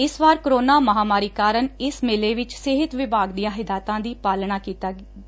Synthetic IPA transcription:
ɪsʋaːɾkɾoːnaːməɦaːmaːɾiːkaːɾənɪsmɪleːʋɪt͡ʃsɪɦɪt̪ʋɪbaːɡd̪ijãːɦɪd̪aːt̪ãːd̪iːpaːlnaːkiːt̪aːɡi

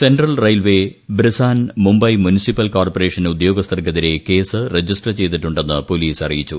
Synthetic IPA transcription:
senɖrɐlrɐjlʋe̞bɾisaːnmumbɐjmunisipːɐlkaːrpoɾe̞ːʂɐnud̪jo̞ːɡɐst̪ʰɐrkɐðiɾe̞ke̞ːsɨred͡ʑisʈrɐt͡ɕe̞jt̪̬iʈːuɳɖe̞nːɨpo̞liːsɐrijit͡ɕːṵ

